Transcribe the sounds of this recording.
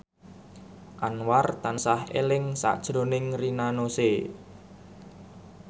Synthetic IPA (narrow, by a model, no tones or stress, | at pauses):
ʔanwart̪ansahḛlɪŋsa̰ʔd̥ʒ̥ɾo̤nɪŋrinanose